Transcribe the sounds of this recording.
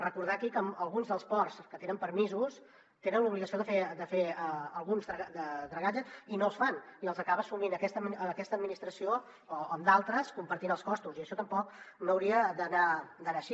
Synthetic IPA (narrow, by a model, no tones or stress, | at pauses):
rəkuɾð̞akikəməlˠɣunzðəlˠspɔrskət̪enəmpəɾmizus | t̪enənluβliɣəsioðəfed̪əfeəəlˠɣunzðɾəd̪əd̪ɾəɣad͡ʒəsinoəlˠsfaniəlˠzəkaβəsuminəkɛst̪əmiəkɛst̪əd̪̚minist̪ɾəsioː | əmd̪alˠt̪ɾəskumpəɾt̪inəlˠskɔst̪uziəʃɔt̪əmpɔk̚noəwɾiəd̪ənad̪ənaʃi